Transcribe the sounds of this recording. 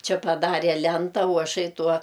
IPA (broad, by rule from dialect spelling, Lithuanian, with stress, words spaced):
ˈt͡ʃʲɪ pɐˈdɑːrʲeː ˈlʲɛntɐ oː ɐˈʃɐɪ ˈtuɔ